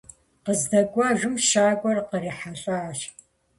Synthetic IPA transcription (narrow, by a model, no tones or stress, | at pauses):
qəzdɐɡʷʼaʒʷʊmʃaːɡʷɔrqəɾiħaɬʼaːʃ